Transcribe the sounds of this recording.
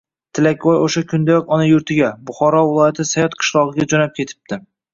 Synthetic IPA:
t̪ʰɪlakʲwɒjoʃakʲʰʊnd̪ajɒkʲɒnajʊɾt̪ʰɪɡʲabʊχɒɾɒvɪlˠɒjat̪ʰɪsajɒt̪qʰɨ̥ʃlˠɒʁɨɡʲad͡ʒɒnap̚kʲʰe̞t̪ʰɪ̥p̚t̪ɪ

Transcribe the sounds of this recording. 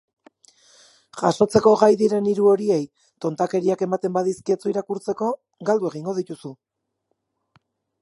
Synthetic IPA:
ʝaso̞t͡se̞ko̞ɣajðiɾe̞niɾuo̞ɾie̞j | t̪o̞nt̪ake̞ɾiake̞mat̪e̞mbaðiskiet͡suiɾakuɾt͡se̞ko̞ | ɡald̪ue̞ɣ̞iŋɡo̞ð̞it̪usu

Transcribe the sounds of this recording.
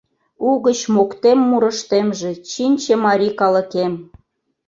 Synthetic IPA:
uɣət͡ɕmokt̪emːuɾə̆ʃt̪emʒĕt͡ɕinʲt͡ɕĕmɑɾʲikɑlə̆kem

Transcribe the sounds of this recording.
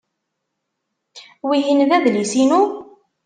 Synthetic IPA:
wiɦinðæðlisinu

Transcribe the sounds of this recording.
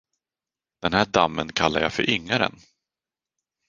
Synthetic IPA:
d̪̥ɛnhæːɖamːənkʰalːaɾja̰fœɾʔʏŋːaɾə̰n

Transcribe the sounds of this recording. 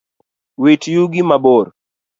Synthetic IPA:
wit͡ʃjuɡimaboɾ

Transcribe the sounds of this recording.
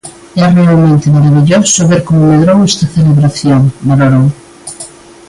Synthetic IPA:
ɛrealmẽnt̪emaɾaβiʎosoβeɾkomomeðɾowest̪aθeleβɾaθjoŋbaloɾoŋ

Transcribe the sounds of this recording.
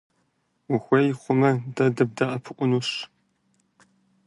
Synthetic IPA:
wʊxʷejɪχʷʊmɐdɐdɐb̚dɐʔɐpʰɨqʷʼʊnuːɕ

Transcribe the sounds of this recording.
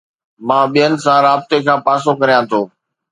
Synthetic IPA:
mãːɓijənɪ̆sãɾaːb̚t̪ekʰãːpaːsokɐɾijãt̪ʰoː

